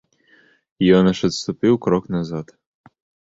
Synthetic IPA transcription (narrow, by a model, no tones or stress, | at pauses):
jɔnɐʃɐt̪st̪ʊpɨwkɾɔknɐzat̪